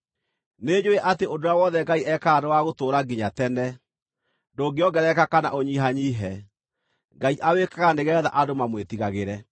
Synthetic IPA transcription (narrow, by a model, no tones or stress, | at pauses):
ned͡ʒoeʔateʔodoawɔðɛɡaiʔɛkaɾowaɣotoːɾaɡiɲatɛnɛ | ndoːɡeɔɡɛɾɛkakana̰ʔoɲiɦaɲiːɦɛ | ŋɡaiʔawekaɣandeɣɛða̰ʔadomamwetiɣaɣeɾɛ